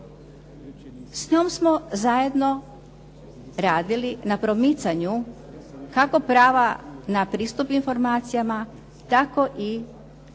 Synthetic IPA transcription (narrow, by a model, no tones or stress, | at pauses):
sɲomsmo̞zaje̞d̪no̞ | ɾaːd̪ilinapɾo̞mit̪saɲu | kako̞pɾaːʋanapɾiːst̪upinfo̞ɾmaːt̪sijama | t̪ako̞ʔi